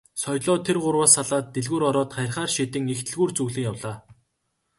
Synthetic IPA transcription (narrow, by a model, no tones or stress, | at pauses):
sɔjɮɔːt̪ʰerɢʊrwaːsaɮaːt̪ːeɮɣuːɾɔɾɔːt̪χæj̆rχaːrʃit̪ɘ̆ŋext̪ʰɘ̆ɮɣuːrt͡suɣɮɘ̆ŋjawɮaː